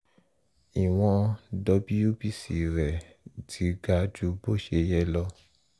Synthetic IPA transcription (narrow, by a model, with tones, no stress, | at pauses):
i˨w̃ɔ̃˧dɔ˧˦bi˦ju˦bi˦sḭ˨ɾɛ˨ | tʰi˨˦ɡa˧˦d͡ʒu˧˦bo˦˨ʃe˧jɛ˦lɔ˧